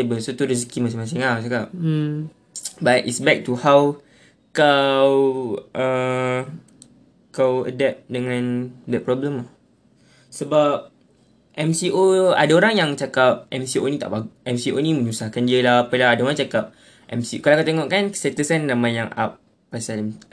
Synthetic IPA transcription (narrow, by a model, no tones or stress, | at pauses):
abəsat̪uɾis̬kimas̬iŋmas̬iŋasakap̚ | batʔḭtsbɛk̚tuhaw | kawʔə | kawə̰dɛp̚dəŋãndɛt̚pɾɔbləma | səbap̚ | ʔɛmsiʔoa̰daoɾaŋjaŋt͡ʃakap̚ʔɛmsiʔonĩt̪a̰ʔbaɡɛmsiʔonĩmə̃ɲusahkandiəlahpəlaadaoɾaŋt͡ʃakap̚ | ʔɛmsiʔokalawkat̪eŋɔʔkansɛt̪əsanːãmãjaŋʔa̰p̚ː | asalm